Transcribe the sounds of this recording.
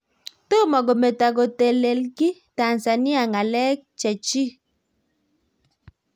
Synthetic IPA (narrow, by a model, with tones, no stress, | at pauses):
to˦mɔ˨ɡo˨me˨ta˨ɡo˨te˨le˨lki˦ta˨nsa˨ni˦a˨ŋa˨lɛ˦k̚t͡ʃɛ˨t͡ʃi˦